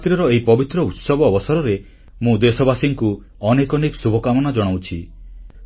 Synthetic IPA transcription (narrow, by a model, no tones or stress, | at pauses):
t̪ɾiɔɾɔeɦipɔbit̪ɾɔut̪sɔbɔːbɔsaɾɔɾe | mũd̪esɔbasiŋku | ɔnekɔneksubʱɔkamɔnad͡ʒɔɽ̃awt͡ʃʰi